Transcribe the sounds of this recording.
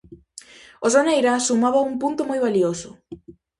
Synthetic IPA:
ozonejɾasumaβauŋpunt̪omojβaliosʊ

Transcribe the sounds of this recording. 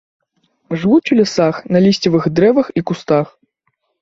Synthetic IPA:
ʐvut͡ʃʲulʲisaxnɐlʲisʲt͡sʲɐvɨxd̪ɾɛvɐxikust̪ax

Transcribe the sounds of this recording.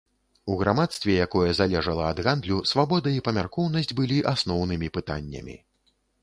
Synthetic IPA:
uɣɾamat̪st̪vʲɛjakɔjɛzalʲɛʐɐlˠɐɐd̪ɣand̪lʲusvabɔd̪ɐipɐmʲarkɔwn̪ɐsʲd͡zʲbɨlʲiʔasnɔwnɨmʲipɨt̪a̰nʲːɐ̰mʲḭ

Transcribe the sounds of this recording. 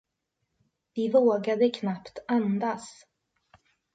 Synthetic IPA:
vɪvoːɡad̪əkʰnapt̪and̪as

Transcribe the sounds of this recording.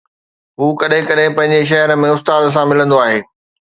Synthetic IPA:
ɦuːkɐɗɦɪ̃kɐɗɦɪ̃pɐ̃ɦɪ̃ɲd͡ʑeʃ̬ɐɦəɾə̆mẽʊst̪aːd̪s̬ãmɪlə̃nd̪oaːɦeː

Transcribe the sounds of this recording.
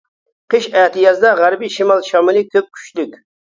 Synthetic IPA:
qʰəʃæht̪ɨjɑzd̪ɑʁæɾbiʃimɑlˠʃɑmɪlˠikʲʰøp̚kʲʰy̥t͡ʃlykʲ

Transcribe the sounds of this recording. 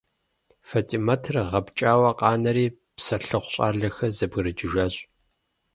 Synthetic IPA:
fɐtʼimɐtʰrʁɐpt͡ʃʼaːwɐqʼɑːnɐɾiː | psɐɬɨχʷɕʼa̰ːɮɐxɐzɐbɣɨɾɨd͡ʒɪʒaːɕʼ

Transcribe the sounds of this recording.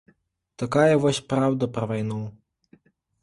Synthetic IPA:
t̪ɐkajɛʋɔsʲpɾawd̪ɐpɾɐʋajnɔw

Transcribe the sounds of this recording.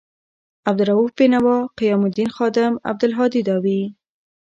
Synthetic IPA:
ab̚d̪ʊɾaufbenawɑqɪjɑmʊd̪inxɑd̪ɪma̰b̚d̪əlɦɑd̪id̪ɑwi

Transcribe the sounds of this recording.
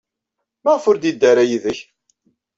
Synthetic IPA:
məʁfʊɾd̪id̪ːæɾajiðəç

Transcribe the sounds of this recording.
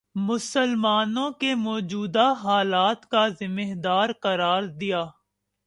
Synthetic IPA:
mʊsəlmaːnõkemɔːd͡ʒuːd̪aɦaːlaːt̪kazɪmeɦd̪aːɾqɐɾaːɾd̪ijaː

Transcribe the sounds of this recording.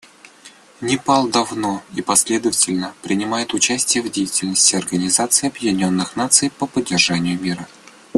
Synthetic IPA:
nʲɪpɑlˠd̪ɐvnoipɐsʲlʲe̞d̪əvətʲɪlʲnəpɾʲɪnʲɪmajɪt̪ʊt͡ɕæsʲtʲɪjəvdʲejɪtʲɪlʲnəsʲtʲɪɐrɡənʲɪzat̪sɨɪɐbjɪdʲɪnʲo̞nːɨxnat̪sɨjpəpədʲːɪrʐanʲɪjʊmʲiɾə

